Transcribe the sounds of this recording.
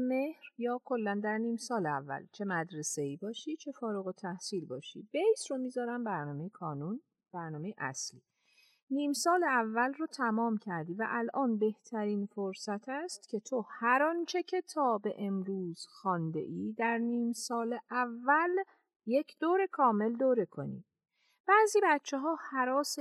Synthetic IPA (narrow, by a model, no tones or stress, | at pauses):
mehɾjɒːkʰo̞lːænd̪æɾniːmsɒːleæ̰vːæ̰lt͡ʃʰe̞mæd̪ɾe̞se̞iːbɒːʃit͡ʃʰe̞fɒːɾuɣot̪ʰæhsiːlbɒːʃḭb̥e̞jsɾomiːzɒːɾæmbæɾnɒːme̞jekʰɒːnun | b̥æɾnɒːmejeʔæ̰sliː | niːmsɒːleævːælroːt̪ʰæmɒːmcʰæɾd̪iːvæ̰ʔælʔɒːnbe̞ht̪ʰæɾiːnfoɾsæt̪ʰæst̪cʰe̞t̪ʰohæɾɒnt͡ʃʰe̞cʰe̞t̪ʰɒːbe̞ʔemɾuːz̥xɒːnd̪e̞̰ʔiːd̪æɾniːmsɒːleʔævːæl | je̞cʰd̪̥oːɾe̞kʰɒːme̞ld̪oːɾe̞kʰo̞̰nḭː | b̥æːziːbæt̪t͡ʃʰːeɦɒːhæɾɒːs